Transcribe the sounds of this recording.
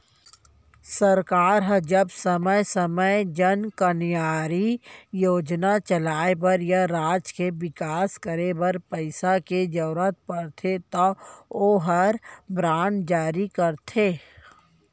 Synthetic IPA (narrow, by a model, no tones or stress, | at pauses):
səɾkaːɾɦəd͡ʒəbsəməjsəməjd͡ʒənkənjaːɾijoːd͡ʒnat͡ʃəlaːebəɾjaɾaːd͡ʒkebɪkaːskəɾebəɾpəɪsaked͡ʒəːɾət̪̚pəɾt̪ʰet̪ɔoːɦəɾbɾaːnd͡ʒaːɾikəɾt̪ʰeː